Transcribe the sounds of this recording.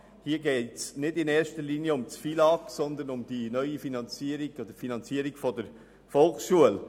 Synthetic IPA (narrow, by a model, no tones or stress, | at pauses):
hiːəɡɛːtsnɪdɪnɛːɾʃtəɾliːnjəʊmt͡sfilɑksɔnd̪ənʊmd̥inœʏifinɑnt͡siːɾɪɡod̥̪əfinɑnt͡siəɾɪɡ̥fɔdəɾ | fɔlˠksʃuəl